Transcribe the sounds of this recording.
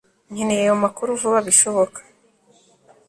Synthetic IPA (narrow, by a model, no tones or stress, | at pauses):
ɲ̥inejajomakuɾuvuβaβiʃo̞βo̞kḁ